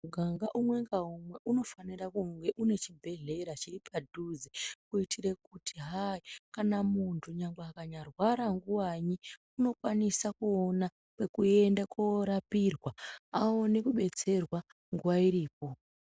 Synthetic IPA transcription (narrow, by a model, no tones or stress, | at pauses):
ɡʱaŋɡaʔumwe̞ŋɡaɦumwe̞ʔuno̞fanirakuŋɡe̞ʔune̞t͡ʃibʱe̞ɮe̞ɾat͡ʃiripadʱuzikuitʰire̞k̚utʰiɦaikanamuntʰuɲaŋɡeakaɲarwaɾaŋɡuwaɲi | uno̞kwanisakuona | kwe̞kue̞ndakoɾapirwaao̞nikuɓe̞t͡se̞rwa | ŋɡuwaiɾiːp̚o̞